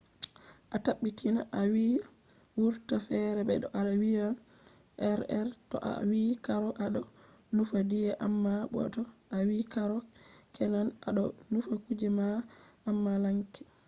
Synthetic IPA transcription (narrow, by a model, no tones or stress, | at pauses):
ʔataɓːitinaʔawi | wuɾtafɛɾɛɓɛ̰ɗɔʔalawijal | ʔɛɾɛɾtɔ̰ʔa̰wikaɾɔʔaɗɔ | nufadijɛʔamːaɓɔ̰tɔʔawikaɾɔkɛnana̰ɗɔnufakud͡ʒɛmaːmːalaŋkɛ̥